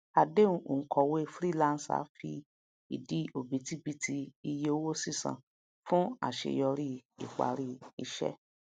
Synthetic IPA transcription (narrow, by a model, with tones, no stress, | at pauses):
a˨de˦ũ˧˦õ˨kɔ˧we˦˧fɾi˦˨lã˦˧n̩˨sa̰˨˦fi˧ | i˨di˨˦o˨bi˨˦ti˦bi˦tʰi˧i˧je˧o˦wo˦si˦˨sã̰˨ | fũ˦a̰˦˨ʃḛ˨jɔ˧ɾi˦ḭ˨k͡pa̰˨ɾi˦i˧ʃɛ̰˦